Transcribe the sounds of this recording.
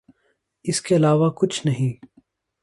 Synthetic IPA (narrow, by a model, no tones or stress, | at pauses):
ɪskeɐlaːʋakʊt͡ʃʰnɐɦĩː